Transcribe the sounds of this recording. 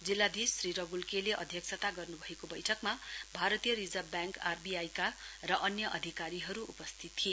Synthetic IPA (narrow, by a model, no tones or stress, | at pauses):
d͡zilːad̪isːriɾʌɡulkeleʔʌ̰d̪ʱjʌk̚sʰʌt̪aɡʌrnubʱʌekobʌjʈʰʌkmabʱaɾʌt̪ijʌɾid͡zʌbjaŋkarbiajkarʌʔʌnjʌʔʌd̪ʱikaɾiɦʌɾuʔupʌst̪ʰit̪tʰie